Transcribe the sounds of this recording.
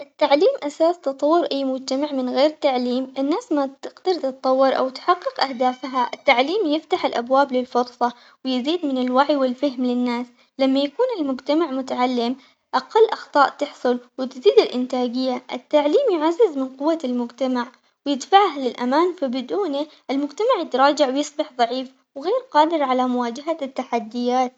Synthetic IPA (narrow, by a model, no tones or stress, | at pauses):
ʔɪt̪ːaʕliːmʔasaːst̪ɨt̪ˤɑwːɪɾʔajːmʊd͡ʒt̪amaʕmɪnɣeːɾɪt̪ːaʕliːmʔɪnːaːsmat̪ɪɡt̪ɑɾt̪ɨt̪ˤɑwːɪɾʔa̰wt̪ħaqːɪqʔahd̪aːfɦaʔɪt̪ːaʕliːmjɪft̪aħɪlʔabwaːblɪlfʊɾsˤɑ | wɪjɪziːd̪mɪnɪlwaʕjwɪlfaɦmlɪnːaːs | lamːajakuːnɪlmʊd͡ʒt̪amaʕmʊt̪aʕalːɪm | ʔaqɑlːʔɑxt̪ˤɑːʔt̪ɪħsˤʊlwɪt̪ziːd̪ɪlʔɪnt̪aːɡɪjːaʔɪt̪ːaʕliːmjʊʕazːɪzmɪnqʊwːalmʊd͡ʒt̪amaʕ | wjɪd̪faʕhlɪlʔamaːnfabɪd̪uːniʔɪlmʊd͡ʒt̪amaʕjɪt̪ɾˤɑːd͡ʒaʕwɪjɨsˤbɪħðˤɑʕiːf | wɪɣeːɾqɑːd̪ɪɾʕalamʊwaːd͡ʒɪɦat̪ːaħad̪ːɪjaːt̪̚